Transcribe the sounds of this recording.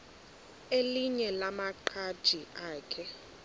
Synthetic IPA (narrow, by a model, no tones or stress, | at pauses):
eliɲɛlamaǃʰad̥ʒ̥ʱiʔaːkʰɛ